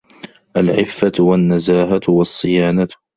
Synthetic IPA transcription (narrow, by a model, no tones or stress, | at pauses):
ʔalʕɪfːat̪wanːazaːɦat̪wɑsˤːɨjaːnat̪